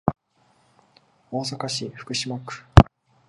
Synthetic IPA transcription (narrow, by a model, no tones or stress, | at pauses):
o̞ːs̬akaɕiɸɯ̟̥kɯ̟ɕimakɯ̟̥